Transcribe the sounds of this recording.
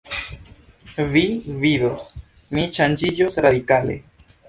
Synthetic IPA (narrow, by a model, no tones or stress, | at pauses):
viviðos | mit͡ʃand͡ʒid͡ʒosɾaðikalḛ